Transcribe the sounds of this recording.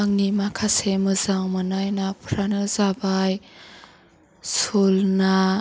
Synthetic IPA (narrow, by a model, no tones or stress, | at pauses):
aŋnimakʰasemɯzaŋmɯnajnapʰɾanɯzabaj | solna